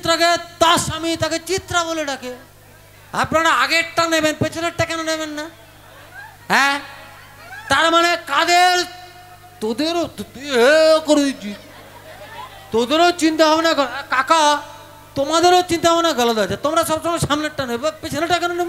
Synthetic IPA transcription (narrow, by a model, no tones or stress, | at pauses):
t̪ɾaket̪asamit̪aket͡ʃit̪ɾaboleʈake | a̰pnaɾaaɡeʈʈanebenpet͡ʃʰeɾeʈ̚ʈakɛnonebenːa | ɦɛ | t̪aɾmanekad̪eɾ | t̪od̪eɾot̪t̪ɦekoɾd̪it͡ʃi | t̪od̪eɾot͡ʃint̪aɦɔbenaɡɔɛkaka | t̪omad̪eɾot͡ʃint̪aɦɔenaɡɔlad̪at͡ʃʰat̪omɾaʃɔbt͡ʃɔmaʃamneʈʈːanebbapet͡ʃʰeɾeʈːakɛnonebe